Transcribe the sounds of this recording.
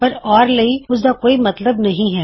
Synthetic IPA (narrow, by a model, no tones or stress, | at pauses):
pɐɾɔːɾlɐiʊs̬d̪aːkoːimɐt̪ləbnɐɦĩɦɛː